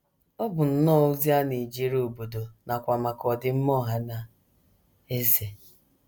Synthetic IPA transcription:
ɔ˦bʊ˨n̩˨nɔ˦˨u˦zi˦a˦ni˨d͡ʒi˦ɾoo˨bo˨do˨na˨kʷa˨ma˨kɔ˨dɪ˨˦m̩˦mɔ˦ɦa˦na˨ | e˦ze˨

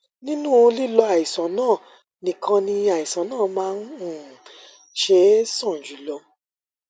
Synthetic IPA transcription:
nĩ˦nũ˦˨˧li˦lɔ˧a˨i˨sã˨˦nãː˦˨ | nĩ˨kʰã˧nĩ˧a˨i˨sã˨˦nãː˦˨mãː˦n˦˨ | ʃe˧˦sɔ̃˦˨d͡ʒu˨˦lɔ˧

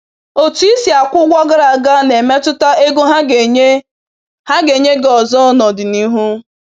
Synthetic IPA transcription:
o˨tu˨˦i˦si˨a˨kʷʊ˦ɡʷɔ˦ɡa˦ɾa˨ɡa˦ne˨me˦tʊ˦ta˦e˦ɡo˦ɦa˦ɡe˨ɲe˦ | ha˦ɡe˨ɲe˦ɡɔ˨zɔ˦nɔ˨dɪ˨ni˦ɦu˦

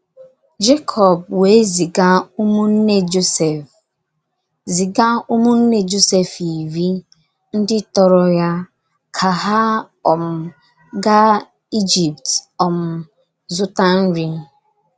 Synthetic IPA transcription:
d͡ʒe˦kʰɔ˨b̚we˨˦zi˨ɡa˦u˦mu˦n̩˦ne˦d͡ʒo˦se˨f | zi˨ɡa˦u˦mu˦n̩˦ne˦d͡ʒo˦se˨fi˨vi˦ | n̩˦dɪ˦tɔ˦ɾɔ˦ja˦ | kʰa˨ɦa˦ | ɔ˨m̩˨ | ɡa˦ | i˦d͡ʒi˨p̚tɔ˨m̩˨ | zʊ˦ta˦n̩˦ɾi˦

